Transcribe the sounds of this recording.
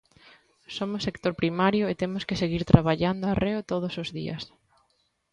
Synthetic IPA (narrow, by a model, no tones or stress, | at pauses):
somʊsekt̪oɾpɾimaɾjʊet̪emʊskeseɣiɾt̪ɾaβaʎand̪ʊareot̪oð̞ʊsʊzðiɐ̰s